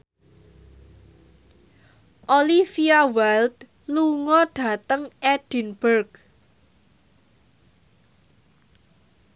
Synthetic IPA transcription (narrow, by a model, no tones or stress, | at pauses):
ʔolifiawɛlt̪ | luŋɔɖ̥ä̤t̪əŋʔɛd̥i̤nb̥ərɡ